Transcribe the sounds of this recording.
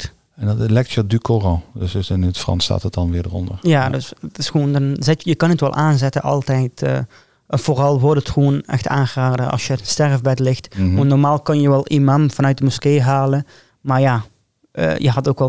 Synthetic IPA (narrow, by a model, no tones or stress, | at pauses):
ɛndɑtlɛjk̚tjədykorodəssɪnətfrɑ̰nsta̰ːtət̚dɑnʋɪːɹdərɔ̰ndəɹjaːdøsətɪsxʋoːndɔnzɪtjəkɑnətʋɛlˠʔaːnzɛtəʔɑ̰lˠtɛjtə̰ | ɛnv̥oːrɑlˠʋɔtətxʋoːnɛ̰xtaːnɣəraːdəʔɑ̰lˠsjəstɛrvbɛtlɪxtʋɔntnɔrmaːlˠkɑnjəʋɛlˠʔimamvɑnœt̚dəmuskeːɦaːlə | maɹja | ʔə̰jə̰ɦɑtoːkʋɛ